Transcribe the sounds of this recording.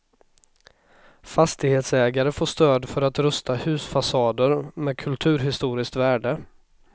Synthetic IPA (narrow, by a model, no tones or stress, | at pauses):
fast̪ɪɡheːt̪sɛːɡaɾəfoːʂt̪øːd̪fœɾat̪ɾɵst̪ʰahʉ̟ːsfasɑːd̪əɾmɛːd̪̚kʰɵlt̪ʰʉ̟ːɾɦɪst̪uːɾɪsk̚t̪væːɖə